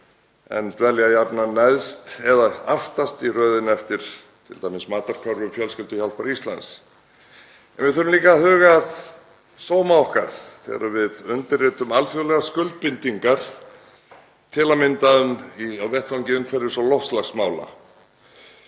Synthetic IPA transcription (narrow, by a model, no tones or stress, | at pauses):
ɛ̰nt̪vɛljajapnanajðst̪ɛðaaft̪ast̪irœːðɪnɛft̪ɪɾ̥ | t̪ʰɪlt̪aːjmɪsmaːt̪aɾ̥kʰœɾvʏmfjœlscɪlt̪ʏçal̥paɾist̪la̰ns | ɛnvɪðθœɾʏmliːkahʏːɣað | soːwmaɔhkaɾ̥θɛ̰ːɣ̰ɾavɪðʏnt̪ɪrːɛːt̪ʏmalfjɔlɛɣaskʏlt̪̚pɪnt̪iŋkaɾ̥ | t̪ʰɪlamɪnt̪aðʏmiawvɛht̪vaɲcɪʏmkʰvɛɾːɪ̥sɔlɔht̪slaxsmaːwla̰